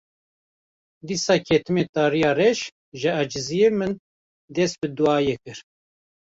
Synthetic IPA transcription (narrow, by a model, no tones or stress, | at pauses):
d̪iːsɑːkʰɛt̪ɨmeːt̪ɑːɾijɑːrɛʃ | ʒɨæd͡ʒɨzijemɨn | d̪ɛst̪̚bɨd̪uɑːjekɨɾ